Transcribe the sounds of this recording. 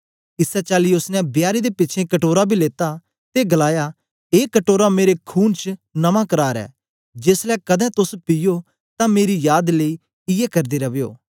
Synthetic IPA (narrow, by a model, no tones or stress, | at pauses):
ɪsɛt͡ʃaːliʊsnɛ̃bjaːɾid̪epɪtːt͡ʃʰẽkɐʈoːɾabʱileːt̪a | t̪eɡɐlaːja | eːkɐʈoːɾameːɾekʰuːnt͡ʃnɐmãkɐɾaːɾɛ̰ː | d͡ʒeːslɛːkɐd̪ɛ̃t̪ʊspɪjo | t̪ãmeːɾijaːd̪ləi | ɪjɛkɐɾd̪eɾɐbejo̰ː